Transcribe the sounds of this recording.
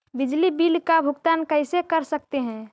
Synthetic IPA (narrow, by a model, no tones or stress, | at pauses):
bɪd͡ʒlibiːlkabʱʊɡt̪aːnkəɪsekəɾsək̚t̪eɦɛ̃ː